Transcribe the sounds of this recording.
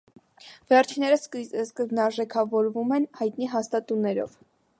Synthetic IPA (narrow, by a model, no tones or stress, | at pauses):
vɛrt͡ʃʰinːɛɾəsskəzbnɑɾʒɛkʰɑvɔɾvumɛnhɑjt̪niɦɑst̪ɑt̪unɛɾɔ̰v